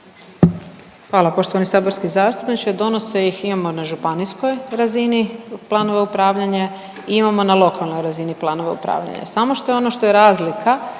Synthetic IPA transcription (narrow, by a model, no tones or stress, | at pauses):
xʋaːlˠapo̞ʃt̪oʋanisaːbo̞ɾskizaːst̪upnit͡ʃed̪o̞noseiximamo̞naʒupanisko̞jɾaziniplˠaːno̞ʋeupɾaːʋʎaɲa | iimamonalˠo̞kʰalˠno̞jɾaziniplˠaːno̞ʋeṵpɾa̰ːʋʎa̰ɲa̰samo̞ʃt̪o̞jeo̞noʃt̪o̞jeɾaːzlikʰa